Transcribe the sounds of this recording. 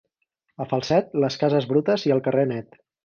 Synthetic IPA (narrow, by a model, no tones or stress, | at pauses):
əfəlˠsɛt̪̚ləskazəzβɾut̪əziəlˠkərenɛt̪